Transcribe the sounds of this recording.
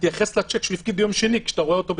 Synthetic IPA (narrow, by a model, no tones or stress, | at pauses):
t̪jaχeslat͡ʃekʃlifɡid̪̚bejo̞mʃenikʃḁt̪aʁoeot̪o̞b